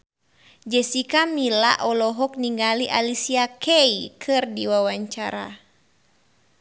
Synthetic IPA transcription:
d͡ʒɛsikamila̰ʔɔlɔɦɔk̚niŋɡaliʔalisiakʰɛikʰɨrdiwawaɲt͡ʃa̰ɾa̰

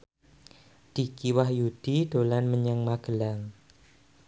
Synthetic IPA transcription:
d̥ikiwahjud̥id̥olanməɲaŋmaɡ̥əlaŋ

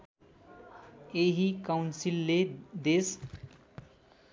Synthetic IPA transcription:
eɦikaʊnsilːed̪es

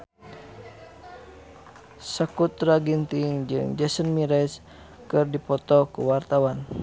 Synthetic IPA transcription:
sakut̪ɾaɡint̪iŋd͡ʒɨ̰ŋd͡ʒɛsənmiɾɛs | kɨrdipɔt̪ɔkṵwart̪awan

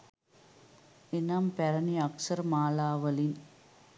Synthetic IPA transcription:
ɪnampɛɾɐniɐksɐɾmaːlaːʋɐlin

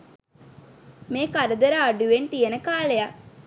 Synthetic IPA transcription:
meːkaɾəd̪əɾaːɖuʋent̪ijənəkaːleja

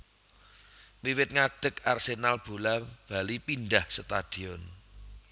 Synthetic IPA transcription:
wiwɪt̪̚ŋad̪̥ə̤karsenalb̥o̤lab̥a̤lipinɖahsət̪ad̪̥i̤ɔn

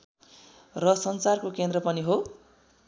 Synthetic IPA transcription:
rʌsʌnsarkokend̪rʌpʌniɦo

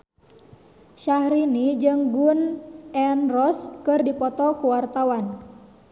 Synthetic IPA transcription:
ʃahɾinid͡ʒɨŋɡunɛnrɔskɨrdipɔt̪ɔkuwart̪awan

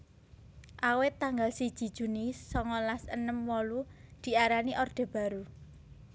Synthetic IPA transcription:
ʔawɪt̪ːaŋɡalsid̥ʒ̥i̤d̥ʒ̥ṳnisɔŋɔlasənəmwɔlud̪̥i̤ʔaɾaniʔɔrd̪̥e̤b̥ä̤ɾu

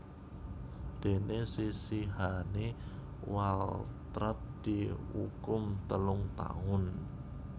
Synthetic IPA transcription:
d̪̥e̤nesisiɦane | walt̪ɾat̪̚d̪̥iṵkʊmt̪əlʊŋt̪a̰ŋʊn

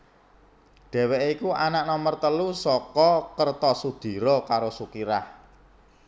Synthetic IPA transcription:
ɖ̪̥ɛ̤weʔikuanaʔnɔmərt̪əlusɔkɔkərt̪ɔsud̪̥i̤ɾɔkaɾosukiɾah

